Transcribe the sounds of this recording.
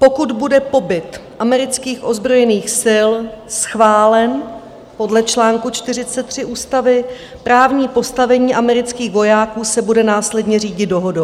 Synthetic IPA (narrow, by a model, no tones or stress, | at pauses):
po̞kud̪budɛpo̞bɪt̪ʔamɛɾɪt͡skiːxʔo̞zbɾo̞jɛniːxsɪlsxvaːlɛn | po̞dlɛt͡ʃlaːŋkut͡ʃt̪ɪrɪt͡sɛt̪ːr̝̥ɪʔuːst̪avɪ | pɾaːvɲiːpo̞st̪avɛɲiːʔamɛɾɪt͡skiːxvo̞jaːkuːsɛbudɛnaːslɛdɲɛriːɟɪt̪̚do̞ɦodow